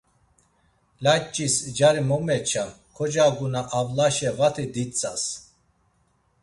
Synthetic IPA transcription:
lat͡ʃʼisd͡ʒaɾimɔmɛt͡ʃʰa | kʰɔd͡ʒaɡunaʔavlaʃɛvat̪ʰid̪it͡sʼas

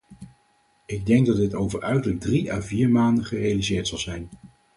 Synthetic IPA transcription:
ɪɡ̚dɛŋɡ̚dɑd̚dɪtowvəɹœɥtələɡ̚driʔaːviːɹmaːndəχərejalizɪːɹtsɑlˠzɛjn

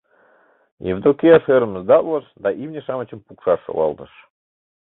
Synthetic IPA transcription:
jḛvd̪okʲeɑʃøɾə̆məzd̪ɑt̪ləʃd̪ɑʔivnʲeʃɑmə̆t͡ɕə̆mpukʃɑʃo̰wɑ̰lˠt̪ɤʃ

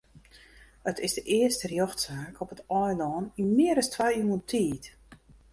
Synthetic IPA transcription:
ətʰɪsdəʔɪəstərjɔxtsaːkʰopətɔjlɔːnimɪəɾəstʋajyːəntʰiːt

